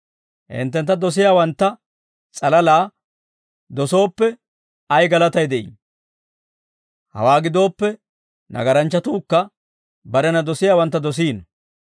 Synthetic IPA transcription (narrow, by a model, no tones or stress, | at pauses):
hɪ̰nt̪ːɛnt̪ːɐd̪ɔs̬ɪjaːwɐnt̪ːɐ | t͡sʼɐlɐlaː | d̪ɔso̞ːpːɛ | ɐjɡɐlɐt̪ɐjd̪ɛʔḭ | hɐ̰waːɡɪd̪o̞ːpːɛ | nɐ̰ɡɐɾɐnt͡ʃːɐt̪uːkːɐ | bɐɾɛnɐd̪ɔsɪjaːwɐnt̪ːɐd̪ɔs̬iːn